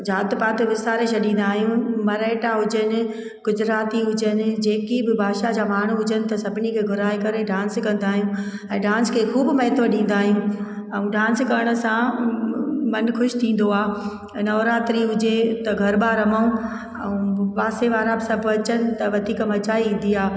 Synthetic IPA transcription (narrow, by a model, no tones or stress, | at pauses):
d͡ʑaːt̪paːt̪eʋɪsaːɾeʃʰɐɗĩːn̆d̪aːɦijũmɐɾeːʈaɦʊd͡ʑənɪ̆ | ɡ̥ʊd͡ʑɾaːt̪iɦʊd͡ʑənɪ̆d͡ʑeːkibɪbʱaːʃad͡ʑaːmaːɳ̤uɦʊd͡ʑənɪ̆t̪ɐsɐbʱɪnikʰeːɡʱʊɾaːekɐɾeɖãːnskɐ̃nd̪aːɦijũ | ɛ̃ːɖãːnskʰeːxuːbmɐɦɪt̪ʰoɗĩːn̆d̪aːɦijũː | ɛ̃ũɖãːnskɐɾəɽ̃ʊ̆sã | mɐnxʊʃt̪ʰĩːn̆d̪oaː | nɐʋɾaːt̪ɾiɦʊd͡ʑet̪ɐɡʱɐɾbaːɾɐmaũ | ɛ̰̃ũpaːseʋaːɾabɪsɐbʱɐt͡ɕənɪ̆t̪ɐʋɐd̪ʱiːkəmɐt͡ɕaːĩːn̆d̪iaː